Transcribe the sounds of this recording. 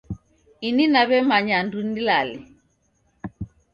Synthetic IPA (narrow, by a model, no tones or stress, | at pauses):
ininaβɛmaɲandundilalɛ